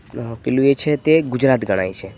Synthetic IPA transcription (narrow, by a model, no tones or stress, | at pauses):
pɪlũet͡ʃʰet̪eɡʊd͡ʒɾaːt̪ɡʱəɽ̃a̰it͡ʃʰe